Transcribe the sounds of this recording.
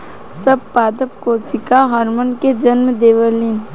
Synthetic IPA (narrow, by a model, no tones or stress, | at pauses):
səb̚paːd̪əp̚koːt͡ʃɪkaɦɔːɾmənked͡ʒɐnmd̪eːʋəlin